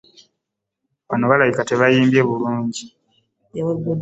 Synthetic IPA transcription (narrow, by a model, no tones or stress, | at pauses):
βano̞βalajikate̞βajiːmbje̞βuluːɲɟi